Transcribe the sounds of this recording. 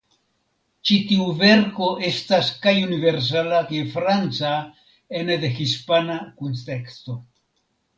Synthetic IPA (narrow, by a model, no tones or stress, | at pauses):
t͡ʃit̪iuve̞ɾko̞ʔe̞staskajunive̞ɾs̬alakajfɾant͡sa | end̪exispanakunte̞kst̪o̞